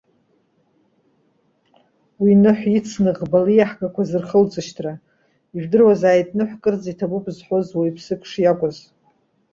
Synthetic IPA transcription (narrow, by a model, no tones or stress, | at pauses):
winɨħʷit͡sʰnɨʁbalijaħɡʼakʷʰazɨrχəlt͡sʼɨʃtʰra | iʒᶣdɨrwazaːjtʼnɨħʷkʼɨrd͡zitʰabupʼzħʷozwaipʰsɨkʰʼʂjakʷʼʊz